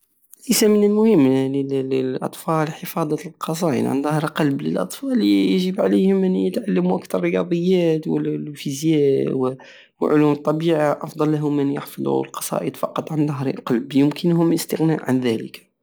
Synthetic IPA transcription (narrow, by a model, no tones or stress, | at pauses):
lasamənəlmʊhəmːləlʔɑ̰t̪ˤfɑlħəfɑd̪ˤɑlqɑs̬ˤɑjə̰nʕa̰nðɑhɾqɑlblə̰lʔɑ̰t̪ˤfɑljʒəbʕalihʊmʔənjət̪ʕalːəmuʔakt̪ɑɾˤːəjɑd̪ˤəjːæt̪wəllfizjæw | wʕʊlumət̪ˤːɑbiʕaʔɑfd̪ˤɑlːaɦʊmːənjəħfəlˤṵəlqɑ̥sˤɑ̰ːʔəd̪fɑqːɑt̪ˤʕand̪ɑɦɾqɑlbjəmkʰənɦʊmʔəst̪əɣnaʔʕanðælə̰k